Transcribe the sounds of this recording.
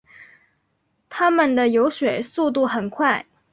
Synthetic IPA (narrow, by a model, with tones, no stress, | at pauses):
t̪ʰa˥mə˨nd̪ə˩jo˧˥ʊʂwe˨˩ɪsu˥˧t̪̬u˥˩xə˨˩nkʰwa˥˩ɪ